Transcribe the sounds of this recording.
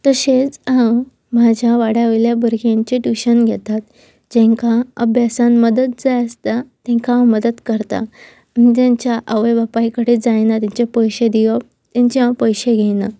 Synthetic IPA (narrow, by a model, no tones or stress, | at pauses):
t̪əɕet͡sã | mad͡ʑʱjaʋaɽaʋeljabəɾɡjaɲt͡ɕeʈuɕənɡʱɛt̪at̪̚ | d͡ʑẽŋkaəbjasanməd̪ət̪̚d͡zajəst̪at̪ɛ̃ŋkãməd̪əd̪kəɾt̪a̰ | mit̪jaɲt͡ɕjaʔəʋəjbapajikəɽid͡zajnat̪ãɲt͡ɕepəjɕed̪iʋə | t̪jãɲt͡ɕiɦãpəjɕeɡʱɛjna